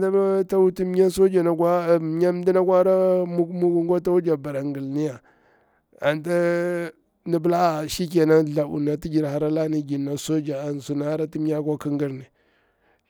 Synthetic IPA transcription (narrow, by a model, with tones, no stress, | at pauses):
ta˦ta˦wu˦ti˦m˦ɲa˦so˦d͡ʒa˨na˨kʷa˦˨˦ɲa˦m˦di˦na˦kʷa˦ɾa˦mu˦mu˦ɡu˦ŋɡa˦ta˦wu˦d͡ʒa˨ba˨ɾa˨ŋɡi˨lni˦ja˨ | a˨nta˦ | ndi˦bla˦˨ʃi˦k̬e˨na˦ɮa˨ṵ˨na˨ti˦d͡ʒi˨ɾha˨ɾa˦la˦ni˦ɡi˨nːa˨so˦d͡ʒa˨a˨n˨su˨na˨˦a˦ɾa˦ti˦m˦ɲa˦kʷa˦ki˦ŋɡi˦ɾni˨